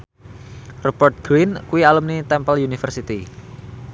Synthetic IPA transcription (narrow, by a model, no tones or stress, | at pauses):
rɔbərt̪̚ɡ̥ɾinkuialumnit̪ɛmpəljunifərsit̪i